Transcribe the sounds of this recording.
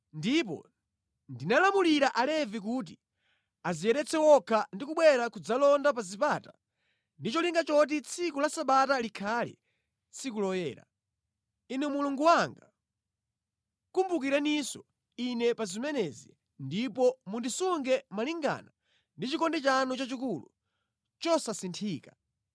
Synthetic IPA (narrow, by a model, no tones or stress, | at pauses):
ndipɔ̰ | ndinalamuliɾaʔalɛvik̬uːt̬i | aziɛɾɛt͡sʰɛwɔkʰandikuɓwɛɾakud͡zalɔndap̬azipaːta | ndit͡ʃɔliŋɡat͡ʃɔt̬it͡sʰikulasaɓatalikʰalḭ | t͡sʰikulɔjɛ̰ːɾa̰ | inɛmuluŋɡuwaŋɡa | kumbuk̬iɾanisɔ | inɛpazimɛnɛzḭ | ndipɔmundisuŋɡɛmaliŋɡa̰na | ndit͡ʃikɔndɛt͡ʃanɔt͡ʃat͡ʃikulṵ | t͡ʃɔsasintʰiːka